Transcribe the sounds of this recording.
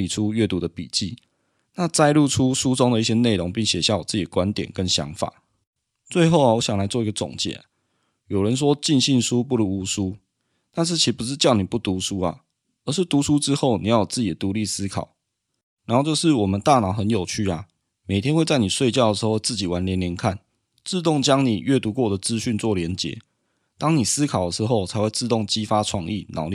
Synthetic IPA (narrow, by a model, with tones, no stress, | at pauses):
i˨˩ʈ͡ʂʰu˦ɥɛ˥˩t̪u˧˥d̪ə˨pḭ˨˩t͡ɕi˥˩ | na˥˨t͡sa˥˧ɪlu˥˩ʈ͡ʂʰu˦ʂu˦t͡so˥ŋd̪ə˨i˥˩ɕjɛ˦˥ne˥˩ɪɾo˧˦ŋpi˥˩ŋɕjɛ˨˩ɕja˥˩wɔ˨˩t͡sɹ̩˥˩t͡ɕi˨d̪ə˦kwa˦nt̪jɛ̰˨˩nkə˦nɕjɑ̰˧˦ŋfa̰˨˩˦ | t͡swe˥˧ɪxo˥˩ʊa˨˩wɔ˧˦ɕjɑ˨˩ŋla˧˦ɪt͡swɔ˥˩i˧ɡə˨t͡sɔ̰˨˩ŋt͡ɕjɛ̰˨˩ | jo˨˩ʊɻə˨˦nʂ̬wɔ˦˥t͡ɕi˥˧nɕi˥˩nʂu˦p̬u˥˩lu˧˦u˧˥ʂu˦ | na˥˧nʂ̬̩˥˩t͡ɕʰi˧˥pu˧˦ʂ̬ɻ̩˥˧t͡ɕjɑ˥˩ʊni˨˩pu˥˩t̪u˨˦ʂu˦ɐ̰˨˩ | ə˞˧˦ʂɻ̩˥˩t̪u˨˥ʂu˦ʈ͡ʂɻ̩˦xo˥˩ʊnḭ˨jɑ˥˩jt͡sɹ̩˥˩t͡ɕi˨˩d̪ə˩t̪u˨˧˦li˥˩sɹ̩˥kʰɑ̰˨˩ʊ | na˧˥nho˥˧t͡ɕo˥˧ʂɻ̩˥˩wɔ˨˩mə˨˦nt̪a˥˨nɑ˨˩ʊxə˧˦njo˨˩ʊt͡ɕʰy˥˩ɐ˨ | me˨˩ɪt̪ʰjɛ˥nxwe˥˧t͡sa˥˩ɪni˨˩ʂwe˥˧ɪt͡ɕjɑ˥˩ʊd̪ə˩ʂ̩˧˥o˥˧t͡s̩˥˩t͡ɕi˨˩wa˧˦nljɛ˧˦nljɛ˧˦nkʰa˥˩n | t͡sɹ̩˥˧t̪̬ʊ˥˨ŋt͡ɕjɑ˥ŋni˨˩ɥɛ˥˩t̪u˧˥kwɔ˥˩d̪ə˩t͡sɹ̩˦ɕy˥˧nt͡swɔ˥˩ljɛ˧˦nt͡ɕjɛ̰˧˦ | t̪ɑ˥ŋni˨˩sɹ̩˥kʰɑ˨˩ʊd̪ə˩ʂ̩˧˦xo˥˩ʊt͡sʰa˧˥ɪxwe˥˧ɪt͡sɹ̩˥˧t̪ʊ˥˩ŋt͡ɕi˦˥fa˦ʈ͡ʂʰwɑ˥˧ŋḭ˥˨nɑ̰˨˥˦ʊli˥˨